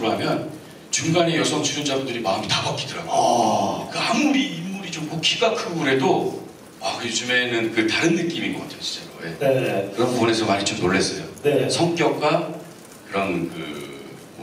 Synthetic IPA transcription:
kɯɾoɦamjʌn | t͡ɕuŋɡaɲijʌsʰʌŋt͡ɕʰuɾund͡ʑadodɯɾimaɯmitabak͈idɯɾaɡo | kɯamuɾiimːuɾid͡ʑomkokʰiɡakʰɯɡuɾe̞do | akɯjod͡ʑume̞nɯnkɯtaɾɯnːɯk͈imiɡʌk͈atʰejɕʰi̥t͡ɕ͈aoeneekɯɾʌmpuʌne̞sʰʌmaɲit͡ɕomnoɭːe̞s͈ʌjo̰nesʰʌŋk͈jʌk̚k͈wa | kɯɾʌnkɯ̰

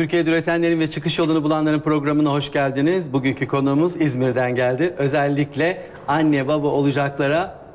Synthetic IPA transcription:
t̪ʰyɾcijed̪eyɾet̪ʰænlʲe̞ɾinvɛt͡ʃʰɯkɯʃjo̞lˠunubulˠanlˠaɾɯnpɾo̞ɡɾamɯnaɦo̞ʃɟælʲd̪inizbuɟyɲcʰykʰo̞nuːmuzizmiɾd̪ænɟælʲd̪ɪʔø̞zælʲːiclʲɛ | anːɛbabao̞lˠud͡ʒaklˠaɾa

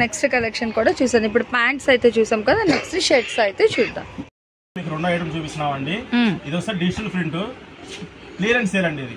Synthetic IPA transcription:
neksʈɾɐkɐlekʂɐnkuːɽaːt͡ʃuːsaːnd̪ip̬ːuɽupaːɳʈsɐjt̪e̞ːt͡ʃuːsaːmkɐd̪aːneksʈɾɐʃeɾʈsɐjt̪e̞ːt͡ʃuːd̪ːa̰ːm | miːkuɾuɳɖɐjʈɐmt͡ʃuːpisunaːmɐɳɖiid̪osɐɾɖid͡ʒʈɐlpʰɾiɳʈu | kliːɐɾɐɳseːɾɐɳɖiːd̪i

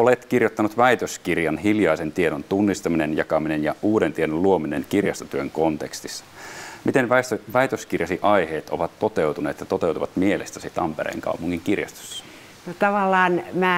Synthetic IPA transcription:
olet̪kirjot̪ːɑnut̪ʋæjt̪øskirjɑnɦiljɑisent̪ieɾont̪unːist̪ɑminenjɑkɑminenjɑuːɾent̪iedonluominenkirjɑst̪o̥t̪yøŋkont̪ekst̪isːɑ̥mit̪enʋæst̪ʋæit̪øskirjɑsiʔɑjheːt̪oʋɑt̪ːo̞t̪ewt̪uneːt̪jɑt̪o̞t̪ewt̪uʋɑt̪mielest̪æsit̪ɑmpeɾḛːŋkɑ̰upuŋːiŋkirjɑ̰st̪o̥sːɑ̥ | not̪ɑʋɑlːɑːnmæː

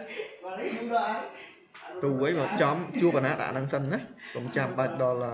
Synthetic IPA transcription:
t̪uːʔəjməːp̚t͡ɕɑmt͡ɕuəpːanaːt̪ɗa̰ʔnaŋsənːahkomt͡ɕamɓaək̚ɗɑləː

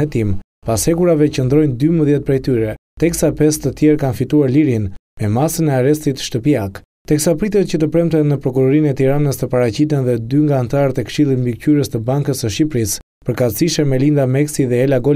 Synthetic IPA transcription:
ɛt̪im | pashɛkuɾavɛcənd̪ɾɔjnd̪yməðjɛt̪̚pɾɛjt̪yɾɛt̪ɛksapɛst̪ət̪jɛɾkanfit̪uaɾliɾinmɛmasənɛaɾɛst̪it̪ʃt̪əpiak | t̪ɛksapɾit̪ɛt̪̚cət̪əpɾɛmt̪ɛnnəpɾɔkuɾɔɾinɛt̪iɾanəst̪əpaɾat͡ɕit̪ɛnðɛd̪yŋɡaːnt̪aɾət̪ɛkʃilˠit̪mbicyɾəst̪əbaŋkəsəʃipɾis | pəɾkat̪siʃɛmɛlind̪amɛksiðɛːlaɡɔ

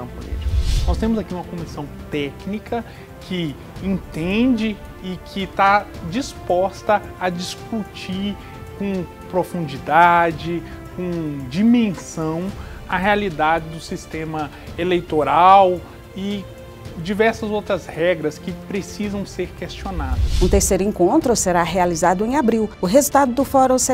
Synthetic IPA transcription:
ɐ̃plɛ̰d͡ʒiknɔst̪ẽmʊzakiũmɐkõmisɐ̃w̃t̪ɛknikʰɐ | kʰɪ | ẽt̪ẽd͡ʒɪː | kʰɪt̪ad͡ʒispɔst̪ɐɐd͡ʒiskut͡ʃiɾ | kõ | pɾofũnd͡ʒid̪ad͡ʒɪ | kõd͡ʒimẽsɐ̃w̃ɐɦealid̪ad͡ʒɪd̪ʊsist̪ẽmɐ | elejt̪oɾaw | ɪ | d͡ʒivɛɾsɐzowt̪ɾɐshɛɡɾɐskɪpɾesizɐ̃w̃seɾkest͡ʃionad̪ɐsũt̪eɾsejɾʊẽŋkõnt̪ɾʊseɾaɦealizad̪ʊẽj̃abɾiwʊɦezut̪ad̪ʊd̪ʊfɔɾɐ̃w̃se

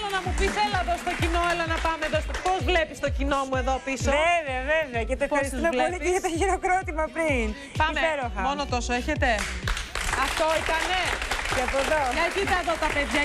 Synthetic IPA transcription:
lonɐmupiselɐeðost̪o̞cino̞elɐnɐpɐmeðospozvle̞pist̪o̞cino̞mue̞ðo̞pisoeveɐveveɐceɐt̪opɐisimeoliʝɐt̪oʝiɾokɾot̪imɐpɾin | pɐsmeeɾoxɐmonot̪o̞soeçe̞t̪e̞ | ɐft̪oit̪ɐnecɐpoðoɐkit̪ɐðot̪ɐpeðʝɐ

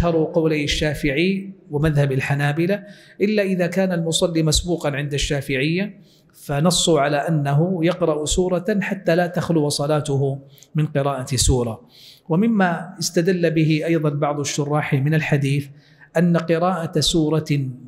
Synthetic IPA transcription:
ʔaʃhɑɾˤʊqɑwlajaʃːaːfɪʕiwɪmaðhabalħanaːbɪla | ʔɪlːaʔɪðaːkaːnalmʊsˤɑlːimasbuːqɑnʕɪnd̪aʃːaːfɪʕɪjːa | fanɑsˤːʊʕalaːʔanːaɦʊjɑqɾˤɑʔsuːɾˤɑħat̪ːaːlaːt̪axlʊwsˤɑlaːt̪ʊɦʊmɪnqɪɾɑːʔasuːɾˤɑ | wamɪmːaɪst̪ad̪alːabɪɦɪʔɑjðˤɑnbɑʕðˤaʃːʊrˤːɑːħmɪnalħad̪iːθ | ʔanːaqɪɾɑːʔasuːɾˤɑ

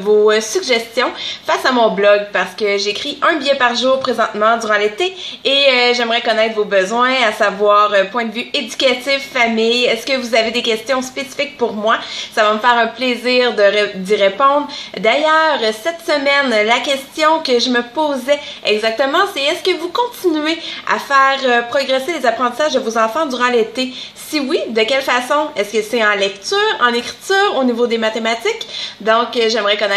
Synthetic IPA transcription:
vosyɡʒɛst̪jɔ̃fasamɔ̃blɔɡpaʁsə̥kəʒekʁiʔœ̃bijɛpaʁʒuːʁpχezɑ̃t̪mɑ̃d̪yʁɑ̃let̪eeʒɛmʁɛkɔnɛt̪χvobəzwɛ̃asavwaːʁəpwɛ̃d̪əvyed̪ykʲat̪ɪffamɪjɛskəvuzaved̪ekʲɛst̪jɔ̃spesi̥fɪk̚puʁmwasavaməfɛːʁɛ̃pleziːʁd̪əd̪iʁepɔ̃d̪ʁd̪ajœːʁəsɛt̪səmɛnlakʲɛst̪jɔ̃kəʒəməpoːzɛɛɡzak̚t̪əmɑ̃sɛɛskəvukɔ̃t̪inyɥea̰fɛːʁəpχɔɡʁɛselezapʁɑ̃t̪i̥saʒd̪əvozɑ̃fɑ̃d̪yʁɑ̃let̪esiwid̪əkʲɛlfasɔ̃ɛskəsɛɑ̃lɛk̚t̪yːʁɑ̰̃nekʁi̥t̪yːʁonivod̪emat̪emat̪ɪkd̪ɔ̃kʒɛmʁɛkɔnɛ

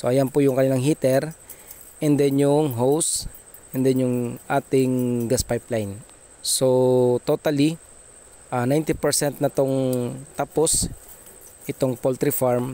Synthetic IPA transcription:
soʔɐjanpʊjʊŋkɐnɪlaŋɦiːt̪ɛɾ | ʔɛnd̪ɛnjʊŋɦows | ʔɛnd̪ɛnjʊŋʔaːt̪ɪŋɡaspajplajn | sot̪ot̪ɐli | ʔanajnt̪ipɛɾsɛnt̪̚nɐt̪oŋt̪apos | ʔɪt̪oŋpolt̪ɾifaɹm

